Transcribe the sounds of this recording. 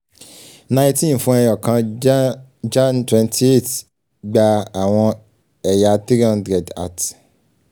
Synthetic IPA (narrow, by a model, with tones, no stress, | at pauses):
nã˧ĩ˧tĩ˦˨n̩˨fũ˧ɛ˧jɔ˨kã˧ | d͡ʒã˦˨ntwɛ̃˧ntʰi˦e˦˨t | ɡ͡ba˧a˨w̃ɔ̃˧ | ɛ˨ja˨ti˦ɾi˦ɔ̃˦ndɾɛ˨da̰˦˨t